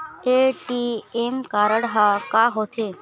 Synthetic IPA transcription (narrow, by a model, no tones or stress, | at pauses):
eʈiemkaɾəɽɦakaɦot̪ʰe